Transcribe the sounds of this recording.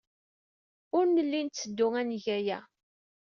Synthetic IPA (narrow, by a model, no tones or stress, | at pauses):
ʊɾnəlːint͡sːəd̪ːʊŋænʝæjæ